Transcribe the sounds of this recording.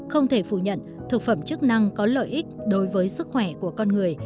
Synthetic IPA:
xə˧wŋ͡mt̪ʰe˧˩fṵ˧˨ɲə̰˧˨nt̪ʰɨ˨˩k̚fə˧˩mt͡ɕɨ˦˥k̚na˧ŋkɔ˨˦lə̰ː˧˨jʔi˦˥k̟̚ɗo˨˦jvəː˨˦jsɨ˦˥k̚xwɛ˧˩ku˧˩əkɔ˧nŋɨ˨˩əj

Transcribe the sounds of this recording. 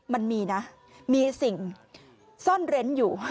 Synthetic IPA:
ma˧nmiː˧na˦˥ | miː˧si˨˩ŋ | sɔː˥˩nɾe˦˥njuː˨˩

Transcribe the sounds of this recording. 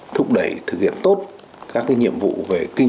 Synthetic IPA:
t̪ʰʊ˦˥k͡p̚ɗə˧˩jt̪ʰɨ˨˩k̚hḭ˧˨ənt̪o˦˥t̚ | kaː˦˥k̚ːaː˨˦jɲḭ˧˨əmvṵ˧˨ve˨˩kï˧ŋ

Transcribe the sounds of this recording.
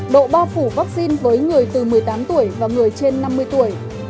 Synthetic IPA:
ɗo̰˧˨ɓaː˧fu˧˩va˦˥k̚si˧nvəː˨˦jŋɨ˨˩əjt̪ɨ˨˩mɨ˨˩əjt̪aː˨˦mt̪u˧˩əjvaː˨˩ŋɨ˨˩əjt͡ɕe˧nːa˧mːɨ˧əjt̪u˧˩əj

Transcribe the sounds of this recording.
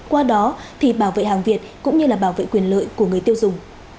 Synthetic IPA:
kwaː˧ɗɔ˨˦t̪ʰi˨˩ɓaː˧˩wvḛ˧˨ɦaː˨˩ŋvi˨˩ət̚kʊ̰˧˥ŋ͡mɲɨ˧laː˨˩ɓaː˧˩wvḛ˧˨kwi˨˩ənlə̰ː˧˨jku˧˩əŋɨ˨˩əjt̪i˧əwzʊ˨˩ŋ͡m

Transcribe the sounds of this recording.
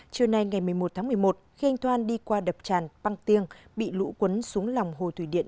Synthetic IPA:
t͡ɕɨ˨˩əna˧jŋa˨˩jmɨ˨˩əjmo˨˩t̚t̪ʰaː˨˦mɨ˨˩əjmo˨˩t̚xi˧ʔa˧jŋ̟t̪ʰwaː˧nɗi˧kwaː˧ɗə˨˩p̚t͡ɕaː˧˩nɓa˧ŋt̪i˧əŋɓḭ˧˨lṵ˧˥kwə˨˦nsu˨˦əŋla˨˩wŋ͡mɦo˨˩t̪ʰwi˧˩ɗḭ˧˨ə

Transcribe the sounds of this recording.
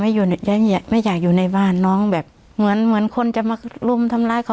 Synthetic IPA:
ma˥˨juː˨˩˧ja˧˥˧a˨˩ma˥˩˨jaː˨˩k̚juː˨˩na˧˩jbaː˧˥˩nːɔː˧˥˨ŋbɛː˨˩p̚ | mɯ˩˦ənmɯ˩˦ənkʰo˧˥˨nt͡ɕa˧˨ma˧˩klu˧˩˨mt̪ʰa˧˥mlaː˧˥˩jkʰa˧˩

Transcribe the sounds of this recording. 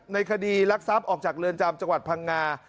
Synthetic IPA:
na˧jkʰa˧diː˧la˦˥k̚sa˦˥p̚ʔɔː˨˩k̚t͡ɕaː˨˩k̚lɯː˧ənt͡ɕa˧mt͡ɕa˧ŋwa˨˩pʰa˧ŋːaː˧

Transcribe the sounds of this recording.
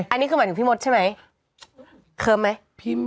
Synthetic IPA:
ʔa˧nːiː˦˥kʰːaː˨˦tʰɯ˩˦piː˥˩mo˦˥t̪̚t͡ɕʰa˥˩jma˦j | kʰɤː˧mːa˦˥j | pʰi˦˥

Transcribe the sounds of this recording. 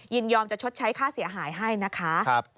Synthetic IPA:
ji˧˩njɔː˧mt͡ɕa˨˩t͡ɕʰo˦˥t̪̚t͡ɕʰa˦˥jkʰaː˥˩si˨˩˦ɐɦaː˩˦jɦa˥˩jna˦˥kʰa˦˥ʔ̚

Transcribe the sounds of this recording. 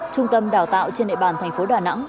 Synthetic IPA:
t͡ɕʊ˧ŋ͡mt̪ə˧mɗaː˨˩wt̪a̰ː˧˨wt͡ɕe˧nɗḛ˧˨ɓaː˧˩nt̪ʰɛ˨˩ŋ̟fo˨˦ɗaː˨˩na̰˧˥ŋ

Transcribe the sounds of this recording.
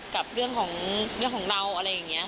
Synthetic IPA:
ka˨˩p̚ɾɯ˥˩əŋkʰɔː˩˦ŋɾɯ˥˩əŋkʰɔː˩˦ŋda˧wʔa˧ɾa˧jːa˨˩ŋːni˦˥ɐ˧

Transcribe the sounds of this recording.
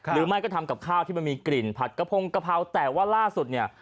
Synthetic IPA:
ɾɯː˨˦ma˥˩jkɔ˥˩t̪ʰa˧mka˨˩p̚kʰaː˥˩wt̪ʰiː˥˩ma˧nmiː˧kli˨˩npʰa˨˩t̪̚ka˧pʰo˧ŋka˧pʰa˧˩wt̪ɛː˨˩waː˥˩laː˥˩su˨˩t̪̚ni˥˩ɐ

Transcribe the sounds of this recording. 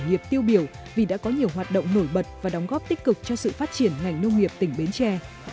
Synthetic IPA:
ŋi˨˩əp̚t̪i˧əwɓi˧˩əw | vi˨˩ɗa̰ː˧˥kɔ˨˦ɲi˨˩əwɦwaː˨˩t̚ɗo̰˧˨wŋ͡mno˧˩jɓə˨˩t̚vaː˨˩ɗɔ˨˦wŋ͡mɣɔ˦˥p̚t̪i˦˥k̚kɨ˨˩k̚t͡ɕɔ˧sɨ̰˧˨faː˦˥t̚t͡ɕi˧˩ənŋa˨˩jŋ̟nə˧wŋ͡mŋi˨˩əp̚t̪ï˧˩ŋ̟ɓe˨˦nt͡ɕɛ˧

